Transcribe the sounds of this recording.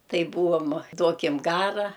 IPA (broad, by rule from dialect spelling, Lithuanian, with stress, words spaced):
ˈtɐɪ ˈbuːʋoːm ˈduɔkʲɪm ˈɡɑːrɐ